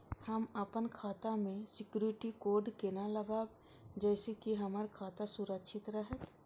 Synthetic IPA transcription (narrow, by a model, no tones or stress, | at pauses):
hɐməpənkʰaːt̪amẽsɪkjuːɾɪʈikoːɾɖkenalɐɡaːb | d͡ʒɛːsekiɦɐmaɾkʰaːt̪asʊɾəkʃʰɪt̪ɾəɦət̪